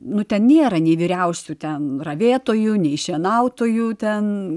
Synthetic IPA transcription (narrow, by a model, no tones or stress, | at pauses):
nʊt̪ʲɛnnʲeːɾɐnʲɛɪʋʲiːɾʲɛʊsʲuːt̪ʲɛnrɐʋʲeːt̪oːjunʲɛɪʃʲiɛnɐʊt̪oːjuːt̪ʲɛn